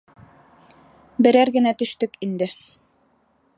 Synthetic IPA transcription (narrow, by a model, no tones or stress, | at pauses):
bɘ̆ɾæɾɡɘ̆næt̪ɵ̆ʃt̪ɵkind̪ɘ